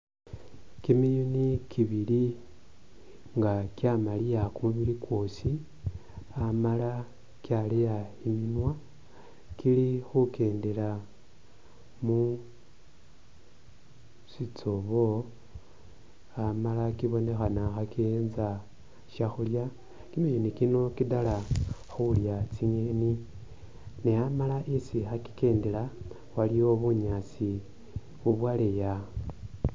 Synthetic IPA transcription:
kimijunikiβili | ŋɡakjamalijakumuβilikwo̞si | amala | kjalijaiminwa | kilixuke̞ːnde̞la | mu | sit͡soβo̞ | amalakiβo̞ne̞xanaxakenza | ʃaxulja | kimijenikino̞kidala | xuljat͡siɲeni | neamalaʔisixaki̥ke̞ːndela | walijo̞βuɲat͡si | βuβwaleja

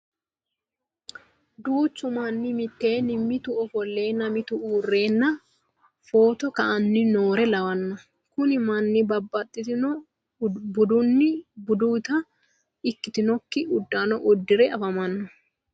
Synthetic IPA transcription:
d̪uːt͡ʃːʊmɐnːɪmɪt̪ːe̞ːnɪmːɪt̪ʊɔfɔlːe̞ːnɐmɪt̪ʊʔuːrːe̞ːnːɐ | foːt̪ɔkɐʔɐnːɪnoːɾɛlɐwɐnːɐ | kʊnɪmɐnːɪbɐbːɐt̪ʼːɪt̪ɪnɔ | bʊd̪ʊnːɪbʊd̪uːt̪ɐ | ɪkːɪt̪ɪnɔkːɪʊd̪ːaːnɔʔʊd̪ːɪɾɛɐfɐmɐnːɐ

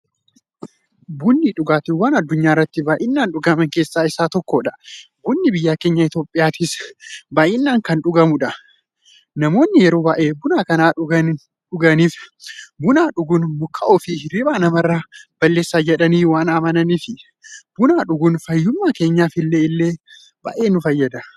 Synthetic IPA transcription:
bʊnːiᶑʊɡaːt̪ɪwaːnɐd̪ːʊɲːaːɪrːɐt̪ːɪbaːʔɪnːaːnᶑʊɡɐmɐŋke̞ːsːaːɪsaːt̪ɔkːoːᶑɐ̥buːnːɪbɪjːaːke̞ːɲːɐɪt̪jo̞ːpʼːɪjaːt̪ɪsbaːʔɪnːaːŋkɐnᶑʊɡɐmʊᶑɐ | nɐmo̞ːnːɪjɛɾo̞ːbaːʔeːbʊnaːkɐnaː | ᶑʊɡɐniːfbʊnaːᶑʊɡʊnmʊkːɐʔɔːfiɾɪbaːnɐmɐrːab̥ɐlːe̞ːsːaːd͡ʒɛᶑɐniːwaːnaːmɐnɐniːfɪ | b̥ʊnaːᶑʊɡʊnfɐjːʊmːaːke̞ːɲːaːfɪlːe̞ːɪlːe̞ː | ba̰ʔeːnʊfɐjːɐd̪ɐ

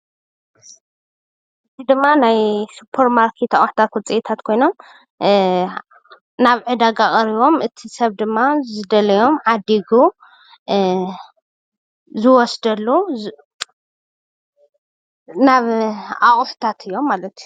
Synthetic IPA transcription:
ɨzid̪ɨmːanajsupʰɐɾmaɾkʰit̪ʰɐχʼħt̪ʰat̪wɔt͡sʼiʔet̪ʰat̪kʰo̞jno̞m | naβʕɨd̪aɡaχʼɐɾiβo̞mʔɨt̪ʰisɐβd̪ɨmːazɨd̪ɐlɐjo̞mʕad̪iɡu | zɨwɔsd̪ɐlːu | naβaχʼħu̥t̪ʰat̪ʰɨjːo̞mːalɐt̪ju

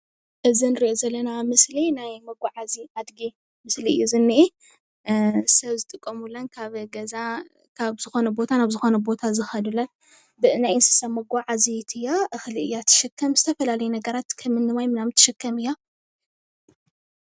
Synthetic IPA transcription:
ʔɨzinɨɾiʔozɐlːɐnamɨslinajmɐɡʷaʕaziʔad̪ɡi | mɨsliɨ̰jːuzɨnːiʔi | sɐβzɨt̪ʼɨkʼːɐmulɐnkʰaβɡɐza | kʰaβzɨxo̞nɐbo̞t̪ʰanaβzɨxo̞nɐbo̞t̪ʰazɨxɐd̪ulɐn | bɨɨnajɨnsɨ̥sɐmɐɡʷaʕazit̪ʰɨjːaʔɨxliɨjːat̪ʰɨ̥ʃɨkʰːɐmzɨt̪ʰɐfɐlalɐjnɐɡɐɾat̪kʰɐmɨnːɨmajmɨnamɨt̪ʰːɨʃɪkʰːɐmɨjːa

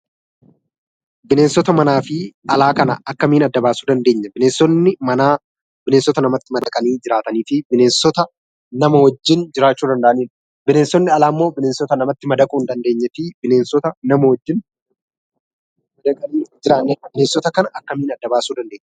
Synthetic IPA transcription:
bɪne̞ːnsɔt̪ɐmɐnaːfɪʔɐlaːkɐnɐɐkːɐmiːnɐd̪ːɐbaːsuːd̪ɐnd̪e̞ːɲːɐbɪneːnsɔnːɪmɐnaː | bɪneːnsɔt̪ɐnɐmɐt̪ːɪmɐd̪ɐkʼɐniːd͡ʒɪɾaːt̪ɐniːt̪iːbɪneːnsɔt̪ɐ | nɐmɐwɔd͡ʒːɪnd͡ʒɪɾaːt͡ʃːuːd̪ɐnd̪ɐʔɐniːn | bɪneːnsɔnːɪɐlaːmːo̞ːbɪneːnsɔt̪ɐnɐmɐt̪ːɪmɐd̪ɐkʼuːnd̪ɐnd̪e̞ːɲːɛt̪iːbɪneːnsɔt̪ɐnɐmɐwɔd͡ʒːɪn | mɐd̪ɐkʼɐniːd͡ʒɪɾaːbɪneːnsɔt̪ɐkɐnɐʔɐkːɐmiːnɐd̪ːɐbaːsuːd̪ɐnd̪eːɲːɐ

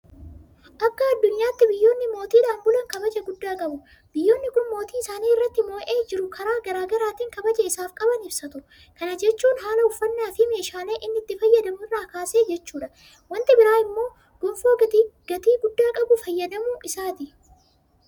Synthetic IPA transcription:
ʔɐkːɐːd̪ːʊɲːaːt̪ːɪbɪjːo̞ːnːɪmo̞ːt̪iːᶑaːnbʊlɐŋkɐbɐd͡ʒɐɡʊd̪ːaːkʼɐbʊ | bɪjːo̞ːnːɪkʊnmo̞ːt̪iːɪsaːniːɪrːɐt̪ːɪmo̞ːʔeːd͡ʒɪɾʊkʰɐɾaːɡɐɾaːɡɐɾaːt̪iːŋkɐbɐd͡ʒɐɪsaːfkʼɐbɐnɪb̥sɐt̪ʊʔʊ | kɐnɐd͡ʒɛt͡ʃːuːnɦaːlɐʊfːɐnːaːfɪme̞ːʃaːle̞ːʔɪnːɪt̪ːɪfɐjːɐd̪ɐmʊɪrːaːkaːse̞ːd͡ʒɛt͡ʃːuːᶑɐ̥ | wɐnt̪ɪbɪɾaːɪmːo̞ː | ɡ̥ʊmfoːɡ̥ɐt̪iːɡʊd̪ːaːkʼɐbʊfɐjːɐd̪ɐmʊʔɪsaːt̪ɪ

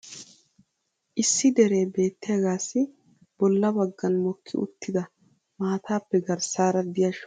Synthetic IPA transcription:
ʔɪsːɪd̪ɛɾe̞ːbe̞ːt̪ːɪjɐɡaːsːɪ | b̥ɔlːɐbɐɡːɐnmɔkʰːɪ̰ʊ̰t̪ʰːɪd̪ɐ | maːt̪ʰaːpːɛɡɐɾsaːɾɐd̪ɪjɐʃ

